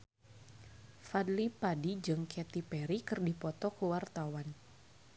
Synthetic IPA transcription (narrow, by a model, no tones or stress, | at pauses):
fadlipadid͡ʒɨŋkɛt̪ipɛɾikɨrdipɔt̪ɔkəwart̪awan